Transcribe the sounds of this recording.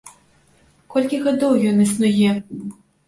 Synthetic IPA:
kɔlʲkʲiɣad̪ɔwjɔnɨsnujɛ

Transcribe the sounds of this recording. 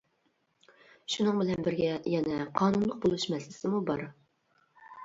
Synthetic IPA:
ʃunɨŋbɪlɛnbɪɾɡʲɛjɛnɛqʰɑːnunlˠəq̚bolˠuʃmɛslɪsɪmubɑɾ

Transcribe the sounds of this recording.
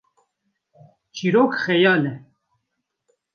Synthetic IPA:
t͡ʃiːɾoːkxɛjɑːlɛ

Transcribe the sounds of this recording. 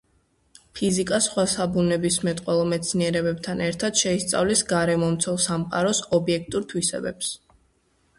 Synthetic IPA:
pʰizikʼasχwasabunɛbismɛt̪ʼqʼwɛlˠɔmɛt̪sʰniɛɾɛbɛb̚t̪ʰanɛɾt̪ʰad̪̥ʃɛist̪sʼa̰vlɛsɡaɾɛmɔmt̪sʰɛlˠsamqʼa̰ɾɔsɔbiɛk̚ʰt̪ʼuɾt̪ʰwisɛ̰bɛ̰ps

